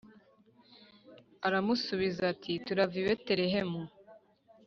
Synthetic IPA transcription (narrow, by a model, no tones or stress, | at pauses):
aɾamusuβizatʰituɾaviβete̞ɾe̞ɦe̞mu